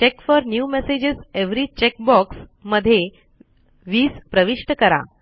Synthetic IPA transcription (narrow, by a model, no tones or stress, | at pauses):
t͡ɕekfɔɾnjumesed͡ʑizeʋɾit͡ɕek̚bɔksməd̪ʱːje | ʋiːspɾəʋiʂʈəkəɾa̰